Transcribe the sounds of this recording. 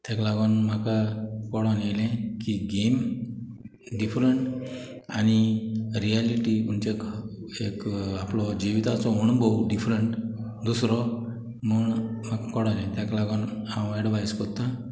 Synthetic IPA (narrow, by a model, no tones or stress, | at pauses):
t̪ʰjaklaɡɔnmakakɔɽanelɛ̃kiɡem | ɖifɾəɳʈ | añiɾijaliʈiuɲt͡ɕek | ekaplɔd͡ʑiʋit̪at͡sɔuɳbɔwɖifɾəɳʈ | d̪usɾɔ | məɳm̤akakɔɽalɛ̃t̪jaklaɡɔnhãweɽʋajskɔt̪ːã